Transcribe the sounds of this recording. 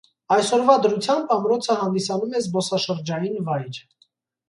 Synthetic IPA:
ɑjsɔɾvɑd̪əɾut͡sʰjɑmbɑmɾɔt͡sʰəɦɑnd̪isɑnumɛzbɔsɑʃəɾd͡ʒɑjinvɑjɾ

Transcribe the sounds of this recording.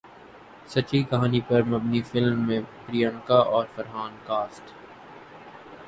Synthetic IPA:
sɐt͡ʃikɐɦaːnipɐɾmɐbnifɪlmːẽpɾijə̃ɳkaʔɔːɾfɐɾɦaːnkaːsʈ

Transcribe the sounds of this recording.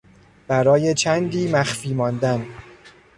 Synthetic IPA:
b̥æɾɒːje̞t͡ʃʰænd̪iːmæxfiːmɒːnd̪æn

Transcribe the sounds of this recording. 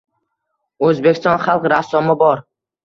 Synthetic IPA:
ɵzbekʲʰɪst̪ɒnχalˠqɾasːɒmɪbɒɾ

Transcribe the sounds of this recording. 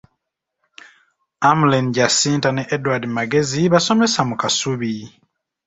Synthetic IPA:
amulenɟasiːntaneʔedwadimaɡe̞ziβaso̞me̞samukasuβi

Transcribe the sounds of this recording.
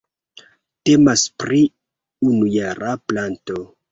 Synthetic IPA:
te̞maspɾi | unujaɾʔaplanto̞

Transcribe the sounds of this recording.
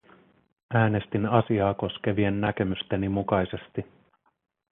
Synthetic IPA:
æːne̞st̪inɑsiɑːko̞sk̟e̞ʋie̞nːæk̟e̞myst̪e̞nimukɑjse̞st̪i

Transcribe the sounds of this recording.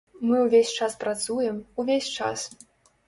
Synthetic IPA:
mɨwvʲesʲt͡ʂaspɾat̪sujɛmuvʲesʲt͡ʂa̰s

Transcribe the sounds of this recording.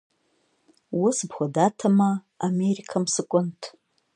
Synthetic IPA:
wʊsbχʷadatʰamaː | meɾikʰamsɨkʷʼʊntʰʼ

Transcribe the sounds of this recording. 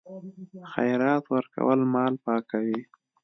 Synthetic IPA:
xajɾɑt̪wəɾka̰wəlmɑlpɑkawi

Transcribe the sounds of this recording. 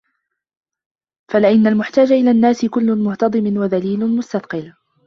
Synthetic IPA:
falɪʔɪnːalmʊħt̪aːd͡ʒaʔɪlaːnːaːsɪkʊlːʊnmʊht̪ɑd̪ˤɨmɪnwaðaliːlʊmʊst̪ɑθqɨl

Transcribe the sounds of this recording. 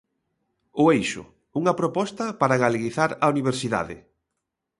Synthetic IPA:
ʊejʃʊ̰ | uŋɐpɾopɔst̪ɐpaɾaɣaleɣiθaɾɐuniβ̞eɾsiða̰ðɪ̰

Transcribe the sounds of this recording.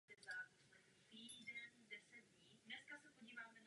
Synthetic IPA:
ɪza | t̪iːdɛndɛsɛd | iːdnɛskasɛpoɟiːvaːmɛn

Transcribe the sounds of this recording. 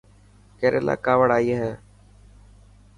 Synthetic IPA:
keːɾʔeːla̰ːkaːʋəɽaːiːɦɛː

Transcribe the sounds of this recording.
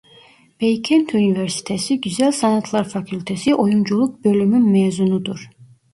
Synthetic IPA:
b̥ejcʰɛnt̪ʰyniveɾsi̥t̪ʰesiɟyzælʲsanat̪ʰlˠaɾfacʰylʲt̪ʰesiʔo̞jund͡ʒulˠuk̚bø̞lʲymynmɛːzunud̪uɾ̥

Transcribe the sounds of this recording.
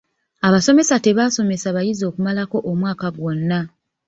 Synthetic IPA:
aβaso̞me̞sate̞βaso̞me̞saβajizo̞ːkumalako̞ʔomwaːkaɡwo̞nːa

